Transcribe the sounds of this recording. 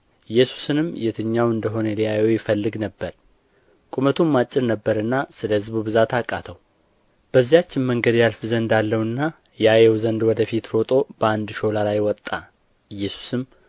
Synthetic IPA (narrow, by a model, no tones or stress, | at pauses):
ɨjːɛsu̥sɨnɨmjɛt̪ʰɨɲːawɨnd̪əɦo̞nəlijajewjɪfəlːɨɡnəbːəɾ | kʼumət̪ʰumːat͡ʃʼːɪɾnəbːəɾɨnːasɨləhɨzbubɨzat̪ʰakʼːat̪ʰəw | b̥əzːijat͡ʃːɪnməŋɡəd̪jalfɨzənd̪alːəwɨnːa | jɛajɛwzənd̪wɔd̪əfit̪ɾo̞t̪ʼo̞bəand̪ʃo̞lalajwɔt̪ʼːa | ɨjːɛsu̥sɨm